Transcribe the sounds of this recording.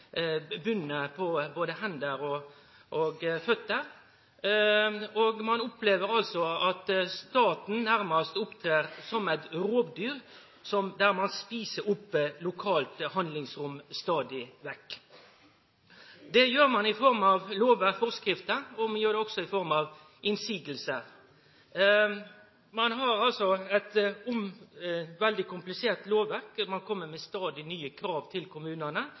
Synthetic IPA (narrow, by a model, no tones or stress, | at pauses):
bʉnːəpʰɔboːd̪əhɛnd̪əɾɔ | ʔoɡfœt̪ːəɾ | ɔɡmɑnʊpʰleːʋəɾɑlsɔɑt̪st̪ɑːt̪n̩næɾmɑst̪ʊpt̪ʰɾeːɾsɔmæɪt̪ɾoːbd̪yːɾ | sɔmd̪æɾmɑnspiːsəɾʊpːlʊkʰɑːlt̪hɑnd̪lɪŋsɾʊmst̪ɑːd̪ɪʋɛkː | d̪ɛjøːɾmɑnɪfɔɾmɑʋloːʋəfɔʁskɾɪft̪əɔmɑnjøːɾd̪ɛɔɡsɔɪfɔɾmɑʋ | ɪnsiːɡəl̩sə | mɑnɦɑɾɑlsɔæɪt̪ʊm | ʋɛld̪ɪkʊmplɪseːʁt̪loːʋæʁkmɑnkʰɔmːəmɛst̪ɑːd̪ɪnyːəkʰɾɑːʋt̪ʰɪlkʰʊmʉːnənə